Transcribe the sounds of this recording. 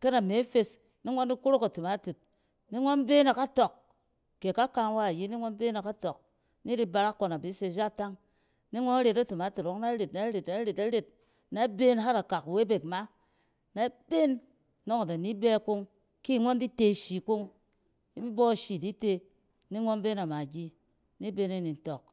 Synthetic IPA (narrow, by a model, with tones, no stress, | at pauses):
ke˦na˨me˨˦fe˧s | ni˦ŋʷo˦ndi˦ku˦ɾo˦ka˨tu˨ma˨˦tu˨t̚ | ni˦ŋʷo˦n˦be˦na˨ka˦to˨k | ke˨ka˦ka˧˨ŋ˦wa˦˨ji˦ni˦ŋʷo˦n˦be˦na˨ka˦to˨k̚ | ni˦di˦ba˧ɾa˦kːo˧na˨bi˨˦se˧˨d͡ʒa˦ta˦ŋ | ni˦ŋʷo˦na˦ɾe˨ta˦tu˨ma˨˦tu˨to˦kna˦ɾe˨tna˨˦ɾe˨tna˦ɾe˨ta˦ɾe˨t̚ | na˦be˦n˦ɦa˦ɾa˨ka˨kwe˦be˨kma˦ | na˦be˦n | no˦ŋa˨da˨ni˦be˦ku˦ŋ | ki˦˨ŋʷo˦n˦di˦te˦˨ʃi˨ku˦ŋ | i˦bi˦bo˦˨ʃi˨di˦te˧ | ni˦ŋʷo˦nbe˦na˨ma˨ɡʲi˦ | ni˦be˦na˦ni˨n˨˦to˨k̚